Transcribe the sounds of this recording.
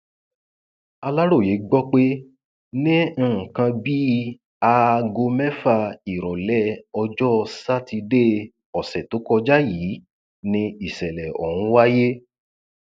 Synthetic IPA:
a˧la˦ɾo˦˨je˨˦ɡ͡bɔ˦k͡pe˦ | nĩ˦˨kã˧bi˦ | a˧ɡo˧mɛ˦fa˧i˨ɾɔ˨lɛ˦ɔ˧d͡ʒɔ˦˧sa˦ti˧de˦ | ɔ˨sɛ˨to˨˦kɔ˧d͡ʒa˦ji˨˦ | nĩ˧i˨sɛ˨lɛ˨ɔ̰˨hũ˨˦wa˦je˦

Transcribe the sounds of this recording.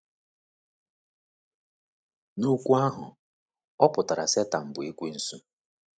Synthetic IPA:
nu˦kʷu˦a˦ɦʊ˨ | ɔ˦pʊ˨ta˨ɾa˨se˦ta˨m̩˨bʊ˨i˦kʷi˦n̩˦su˦

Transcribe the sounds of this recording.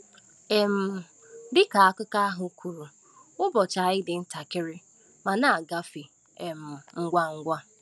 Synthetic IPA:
e˨m̩˨ | dɪ˦ka˨a˦kʊ˦ka˦a˦ɦʊ˨kʷʰu˨ɾu˨ | ʊ˦bɔ˨t͡ʃa˨ɪ˦dɪ˨n̩˦ta˨kɪ˦ɾɪ˦ | ma˨na˦˨a˨ɡa˦fi˨ | e˨m̩˨ŋ̩˦ɡʷa˦ŋ̩˦ɡʷa˦

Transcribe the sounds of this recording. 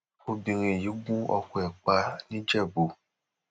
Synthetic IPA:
o˧bĩ˧ɾ̃ĩ˧˨ji˨˦ɡũ˦ɔ̰˧ku˧˨ɛ˨k͡pa˧nĩ˦d͡ʒɛ˦˨bu˨

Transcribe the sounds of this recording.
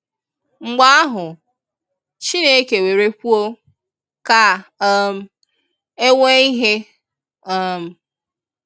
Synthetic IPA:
ŋ͡m̩˨ɡ͡ba˦a˦ɦʊ˨ | t͡ʃi˦ne˦ke˨we˨ɾe˦kʷu˦o˦ | ka˨˦m̩˦ | e˦ŋʷe˦i˦ɦe˦ | ɔ˦m̩˨˦

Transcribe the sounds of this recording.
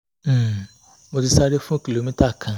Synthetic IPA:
mʊ˨dɪ˦sa˦ɾe˦fʊ̃˦ki˨lo˨mi˦ta˦˨kʰã˦

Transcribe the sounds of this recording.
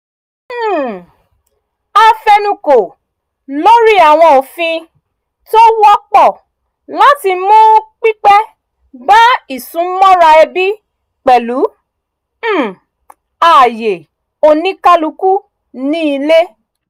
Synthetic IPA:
a˧fɛ˧nũ˧ko˨ | lo˦ɾi˦a˨w̃ɔ̃˧o˨fĩ˧ | to˦wɔ˦k͡pɔ˦˨ | la˦ti˧mũ˦k͡pi˦k͡pɛ˦ | ɡ͡ba˦i˨sũ˨˦mɔ̃˦ɾa˧ɛ˧bi˦ | k͡pɛ˨lu˨˦˨ | a˦˨je˨ | o˧nĩ˦ka˦lu˧ku˦ | nĩ˦i˧le˦

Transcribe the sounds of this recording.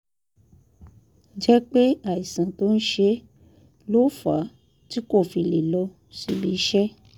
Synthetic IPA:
d͡ʒɛ˦k͡pe˦a˨i˨sã˨to˦n̩˦ʃe˧˦ | lo˦˨fa̰˨˦ | ti˦ko˦˨fi˧˨le˨lɔ˧ | si˨bi˧˦ʃɛ˦

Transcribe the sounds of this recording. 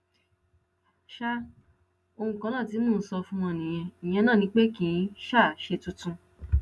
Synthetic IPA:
ʃa˦ | o˧hũ˧kã˧lãː˦˨ti˨˧˦mũ˦˨n̩˦sɔ˧fũ˦ɔ̃˧˨nĩ˨j̃ɛ̃˧ĩ˨j̃ɛ̃˧nãː˦˨nĩ˧˦k͡pe˦kĩ˨˦ʃa˦˨ʃe˧tũ˧˦tũ˧

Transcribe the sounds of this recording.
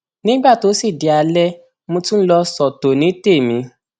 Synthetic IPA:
nĩ˦ɡ͡ba˦˨to˨˦si˦˨di˨a˧lɛ˦ | mũ˧tũ˦lɔ˧sɔ˨to˨nĩ˨˦te˦˨mĩ˧˦

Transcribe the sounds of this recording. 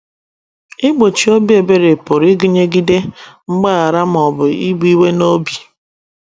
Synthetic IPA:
ɪ˦ɡ͡bo˨t͡ʃi˨o˦bi˦e˨be˦ɾe˨pʊ˨ɾi˦ɡi˦ɲe˦ɡi˦de˦ŋ͡m̩˦ɡ͡ba˦a˨ɾa˦m˦˨ɔ˨bʊ˨i˦ɡ͡bi˦we˦no˦bi˨

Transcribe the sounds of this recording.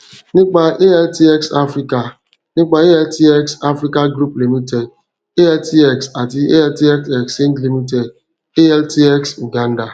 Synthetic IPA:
nɪ˦k͡pa˦ʔe˦ɛ˦lti˦ɛ˦ksa˦fɾi˦ka˨ | nɪ˦k͡pa˨e˦ɛ˦lti˦ɛ˦ksa˦fɾi˦ka˦ɡɾu˦pli˨mi˦te˨d | e˦ɛ˦lti˦ɛ˦ksa˨ti˦e˦ɛ˦lti˦ɛ˦ke˨kse˦n̩˦tli˨mi˦t̬e˨d | e˦ɛ˦lti˦ɛ˦ksu˨ɡa˦n̩˦da˨

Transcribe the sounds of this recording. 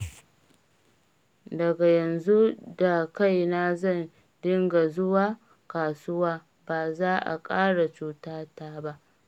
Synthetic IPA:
dɐ˨ɡa˨jɐ˨nzu˦da˨ka˦jna˦zɐ˦˨n | dɪ˦ŋɡa˨zʊ˦waː˦ | kaː˨sʊ˦waː˦ | baː˨zaː˦ʔa̰˨kʼaː˦ɽa˨t͡ʃuː˨taː˦taː˦ba˦ʔ

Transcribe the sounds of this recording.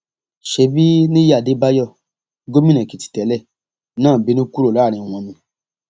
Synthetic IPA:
ʃe˧˦bi˦nĩ˦ja˦˨de˨˦ba˦jɔ˦˨ | ɡo˦mĩ˦nɛ̃˨ki˨ti̥˨tɛ˨˦lɛ˦˨ | nãː˦˨bi˨˦nĩ˦ku˦ɾo˦˨la˦˨ɾ̃ĩ˧˨w̃ɔ̃˧mĩ˧

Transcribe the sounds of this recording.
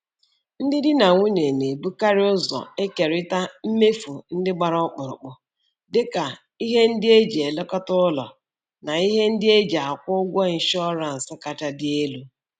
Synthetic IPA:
n̩˦dɪ˦dɪ˦na˨ŋʷu˦ne˨ne˨bu˦ka˦ɾɪ˦ʊ˦zɔ̰˨e˦ke˨ɾɪ˦ta˦m̩˦me˦fu˨n̩˦dɪ˦ɡ͡ba˨ɾɔ˦k͡pʊ˨ɾʊ̰˨k͡pʊ˨ | dɪ˦ka˨ | i˦ɦe˦n̩˦dɪ˦e˦d͡ʒe˨e˨le˦kɔ˦tʊ˦ʊ˦lɔ̰˨ | na˨i˦ɦe˦n̩˦dɪ˦e˦d͡ʒa˨kʷʊ˦ɡʷɔ˦i˨n̩˦ʃɔ˦ɾa˨n̩˨sɪ˦ka˨ta˨dɪ˦e˦lu˦

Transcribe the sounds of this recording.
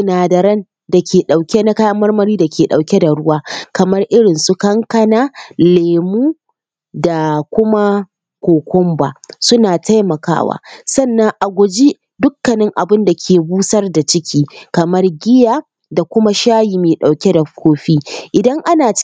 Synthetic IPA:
naː˨dɐ˨ɾɐ˦n | da˨kʲʰeː˨ɗa˨wkʲe˦na˦ka˦jɐ˦mːɐ˦rmɐ˦ɾiː˦da˨kʲeː˨ɗa˨wkʲe˦da˨ɽʊ˦waː˦kɐ˨mɐ˦rʔɪ˦ɽɪ˨nsu˦kɐ˦ŋkɐ˦naː˦leː˨muː˦ | da˨kʷʊ˦ma˦ | kʷoː˨kʷɔ˦mbaː˨sʊ˦naː˨ta˦jmɐ˨ka̰ː˦wa̰ː˦sɐ˦˨nːɐ˦ŋʔa˨ɡʷʊ˨d͡ʒi˦ | dʊ˦kːɐ˨nɪ˦ŋʔa˨bɪ˦nda˨kʲʰeː˨buː˦sɐ˦rda˨t͡ʃɪ˦kʲʰiː˦kɐ˨mɐ˦rɡʲɪ˦jaː˨ | da˨kʷʊ˦ma˦ʃaː˦jiː˨meː˨ɗa˨wkʲe˦da˨kʷʰoː˦ɸiː˦ʔɪ˨dɐ˦ŋʔa˦naː˨

